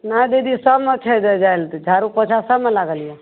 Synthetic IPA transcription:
nad̪ed̪isəmət͡ʃʰed͡ʒd͡ʒaelt̪d͡ʒʱaɾupət͡ʃʰasəmelaɡəlije

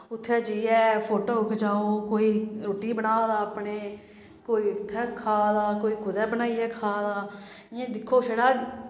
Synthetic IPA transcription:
ʊt̪ʰːɛːd͡ʒiːɛːpʰoːʈoːʊkʰt͡ʃaːoːkoːiːɾoːʈiːbənaːod̪aːpɳeː | koːiːʊt̪ʰːɛːkʰaːd̪aːkoːiːkʰʊd̪ɛːbənaːiːɛːkʰaːd̪aː | ãːd̪ɪkʰːoːʃeɽaː

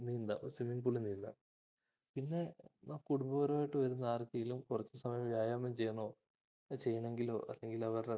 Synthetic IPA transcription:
nind̪a̰osimiŋpuɭinːilːɐ̰ | pinːe̞naːmkuɽumbɐːɐɾoːjiʈːɨʋɐɾunːɐaːrkɐjilumkurɐt͡ɕːɨsɐmɐjɐmʋjaːjaːmɐmt͡ɕe̞jːɐɳoː | t͡ɕe̞jːɐɳe̞ŋɡilo̞̰ːʔɐlːe̞ŋɡilɐʋɐr

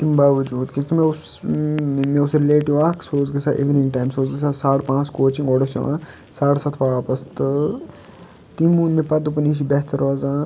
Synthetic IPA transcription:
t̪imbaːʋɐd͡ʒuːd̪kit̪meʊs | mẽʊsɾɪleːʈiʋaːksoːzɡɐsaːʔḛʋinĩŋɡʈaːjmsoːzɡɐsaːsaːɽpãːt͡skoːt͡ʃĩŋɡoɽɐsjo̰ã̰ː | saːɽsɐt̪ʰʋaːapɐst̪ | t̪imuːnmepɐd̪upɐniːʃ̬ibɛɦt̪ɐɾoːzaː

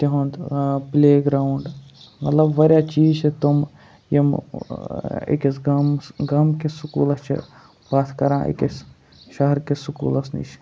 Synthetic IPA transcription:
t̪iɦõnd̪pleːɡɾaːuɳɖmɐt̪lɐbʋɐɾjaːt͡ʃiːzt͡ʃit̪um | jim | ḛkesmɡɐmkesukṵːlɐst͡ʃʰḭ | b̥aːt̪ʰkɐɾãːʔḭkes | ʃɐɦɾkesukṵːlɐsnḭt͡ʃʰ

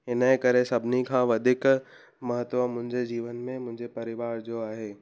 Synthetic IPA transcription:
ɪnekɐɾesɐbʱnikʰãːʋɐd̪ʱɪk | mɐɦət̪ʋəmʊ̃ɦɪ̃ɲd͡ʑed͡ʑiːʋənmẽmʊ̃ɦɪ̃ɲd͡ʑepɐɾɪʋaːɾd͡ʑoaːɦeː

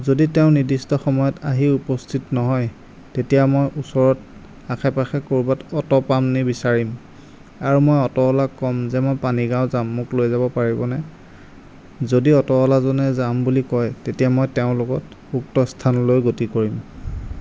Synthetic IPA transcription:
zoditeʊ̃nidistɔxɔmɔjɔtaɦiupɔstʰitnɔɦɔj | tetijamɔjʔusɔɹɔt | akʰɛpaxɛkoɹubatɔtɔpamnibisaɹim | aɹumɔjɔtɔɔlakɔmzɛmɔjpaniɡaʊzamːʊklojzabɔpaɹibɔnɛ | zodiɔtɔɔlazɔnɛzambulikɔjtetijamɔjteʊ̃lʊɡɔt | uk̚tɔstʰanɔlojɡotikoɹim

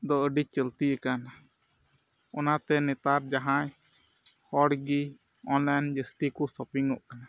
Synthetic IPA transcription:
d̪ɔəɖit͡ʃəlt̪iəkana | ɔnat̪ɛnɛt̪aɾd͡ʒaɦãj | hɔɽɡi | ɔ̃nlajnd͡ʒəst̪ikusɔpiŋɔʔkana

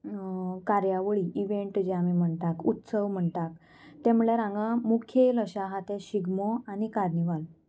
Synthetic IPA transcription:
kaɾjaʋəɭiʔiʋeɳʈd͡ʑeamim̤əɳt̪akut̪səʋm̤əɳt̪ak̪̚ | t̪ɛmuɭjaɾãŋɡamukʰjeləɕaɦat̪eɕiɡmoañikaɾniʋal

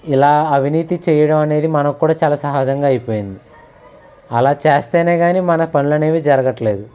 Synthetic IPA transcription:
ilaːɐʋiniːt̪it͡ʃɛːjɐɽɐmɐne̞ːd̪imɐnɐkkːuːɽaːt͡ʃaːlaːsɐɦaːd͡ʒɐŋɡaːjipoːjind̪i | ɐlaːt͡ʃeːst̪eːneːɡaːniːmɐnɐpɐnulɐne̞ːʋid͡ʒɐɾɐɡɐʈɐle̞ːd̪u

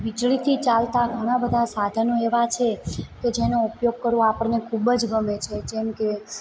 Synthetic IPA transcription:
ʋid͡ʒɭit̪ʰit͡ʃalt̪aɡʱəɽ̃ãbəd̪ʱasad̪ʱənõeʋat͡ʃʰeked͡ʒenoupjoɡ̚kəɾʋõapəɳnekʰubd͡ʒɡəmet͡ʃʰed͡ʒemke

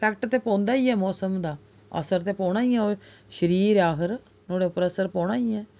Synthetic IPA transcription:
pʰɛːk̚ʈt̪eːpɔ̃ːnd̪aːiːɛːmɔːsəmd̪aː | ə̰səɾt̪eːpɔːɽ̃aːiːɛ̃ːoː | ʃəɾiːɾaːɦəɾ | noːɽeːʊpəɾəsəɾpɔ̃ːɽ̃aːiːɛː

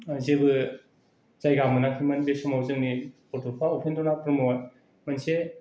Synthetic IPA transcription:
zebɯ | zajɡamɯnaŋkʰimɐnbesɔmawzɯŋnipɔɾtʰɔpʰaopʰendɔnapʰɾɯmɔn | manse

